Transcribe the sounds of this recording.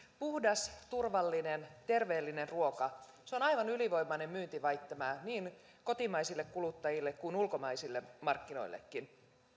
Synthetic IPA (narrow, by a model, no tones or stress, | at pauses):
puhdɑst̪urʋɑlːine̞nt̪e̞rʋe̞ːlːine̞nruo̞kɑ | seonɑjʋɑnyliʋo̞imːɑne̞mmyːnt̪iʋɑjt̪ːɑmæːniːn | ko̞t̪imɑjsilːe̞kkulut̪ːɑjilːe̞kkuinulko̞mɑjsilːe̞mɑrkːino̞̰jlːḛkːin